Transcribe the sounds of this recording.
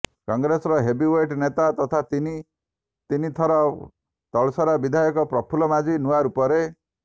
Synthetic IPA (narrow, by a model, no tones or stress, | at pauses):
kɔŋɡɾesɔɾɔɦebiweʈnet̪at̪ɔt̪ʰat̪ini | t̪init̪ʰɔɾɔ | t̪ɔɭsɔɾabid̪ʱajɔkɔpɾɔpʰulɔmad͡ʒinuaɾupɔɾe